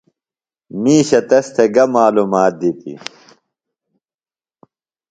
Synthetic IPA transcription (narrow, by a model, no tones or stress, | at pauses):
miːɕɐt̪ɐst̪ʰeɡɐmaːlumaːt̪̚d̪it̪ḭ